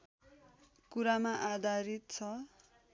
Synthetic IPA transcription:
kuɾamaʔad̪ʱaɾit̪̚t͡sʰʌ

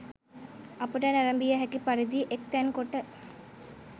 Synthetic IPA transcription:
ɐpuʈənæɾɐmbijəɦækipaɾid̪iːʔek̚t̪ænkoʈə

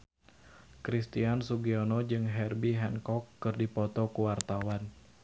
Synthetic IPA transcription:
kɾist̪iansuɡiɔnɔd͡ʒɨŋɦɛrbiɦɛnkɔkːɨrdipɔt̪ɔkuwart̪awan

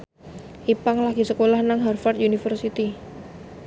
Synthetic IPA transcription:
ʔipaŋlaɡ̥isəkolahnaŋɦarfart̪junifərsit̪i

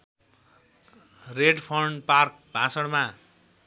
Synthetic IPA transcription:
reɖpʰʌɳɖpark̚ | bʱãsʌɽma

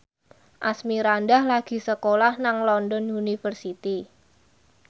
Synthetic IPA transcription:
ʔasmiɾandahlaɡ̥i̤səkolahnaŋlɔndɔnunifərsit̪i

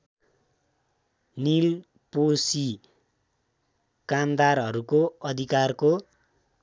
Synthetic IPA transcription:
nil | posi | kamd̪arʌɾukoʌd̪ʱikarko

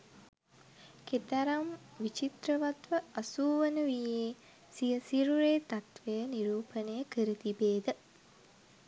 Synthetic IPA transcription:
ket̪aɾamʋit͡ʃit̪ɾəʋat̪ʋəɐsuːʋənəʋijeː | sijəsiɾuɾeːt̪at̪ʋejəniɾuːpənəjəkəɾət̪ibeːd̪ə

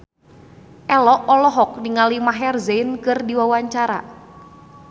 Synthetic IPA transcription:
ʔɛlɔʔɔlɔɦɔk̚niŋalimaɦɛrzeɪnkɨrdiwawaɲt͡ʃaɾa̰

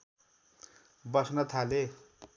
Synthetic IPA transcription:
bʌsnʌt̪ʰale

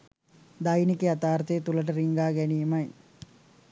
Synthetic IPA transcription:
d̪ajnikeat̪aːɾt̪əjət̪uləʈ̬əɾiŋɡaːɡænijmɐj

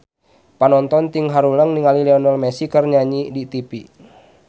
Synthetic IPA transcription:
panɔnt̪ɔnt̪iŋɦaɾuləŋniŋalilɛɔnɔlmɛsikərɲaɲidit̪ipi

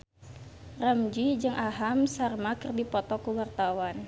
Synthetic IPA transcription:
rəmd͡ʒid͡ʒɨŋʔaɦamsarmakɨrdipɔt̪ɔkuwart̪awan

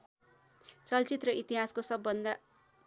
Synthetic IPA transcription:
t͡sʌlt͡sit̪rʌʔit̪iɦaskosʌbːʌnd̪a

